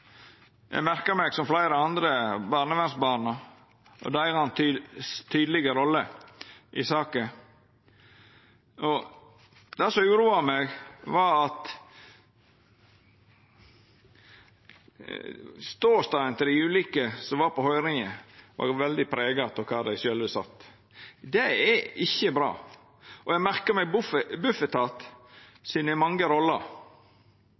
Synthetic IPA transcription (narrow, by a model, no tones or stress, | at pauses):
jæ̰mæɾkɑmɛɡsɔmflæɪɾəɑnd̪ɾəbɑːɾnəʋɛnsbɑːnɑ | ʔɔ̰d̪æjɑnt̪ʰːt̪ʰyːd̪əlɪɡəɾɔlːəʔɪsɑːkə | ʔɔ | d̪̥ɛsɔmʉːɾuːɑmɛɡʋɑɾɑt̪ | st̪oːst̪ɑːɛnt̪ʰəd̪ɪʉːlɪkəsɔʋɑːɾpʰɔhɔʏɾɪŋəʋɑ̰ɾʋɛld̪ɪpʰɾeːɡɑp̪ʰɔkʰɑːd̪æɪʃøːlʋəsɑ̰t̪ː | d̪ɛɛɪçːəbɾɑ̰ː | ʔɔjæɡmæɾkəmɛɡbʊfəbʉfət̪ʰɑːt̪sɪnəmɑŋɡəɾɔlːəɾ